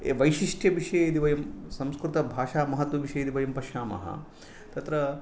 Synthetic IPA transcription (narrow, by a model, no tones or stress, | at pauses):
eʋɐjʃiʂʈʰjɐʋiʂɐjɐid̪iʋɐjɐmsɐmskɾut̪ɐbʱaːʂaːmɐɦɐt̪ʋɐʋiʃɐjid̪iʋɐjɐmpɐʃaːmɐ̰ɦɐ̰ | t̪ɐt̪ɾɐ